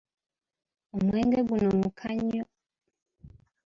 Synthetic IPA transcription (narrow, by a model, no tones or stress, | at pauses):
umwɛŋɡɛɡunɔmukʰaɲɔ